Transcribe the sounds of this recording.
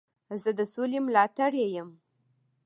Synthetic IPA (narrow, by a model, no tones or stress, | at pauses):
zəd̪əsolemlɑt̪aɽjejəm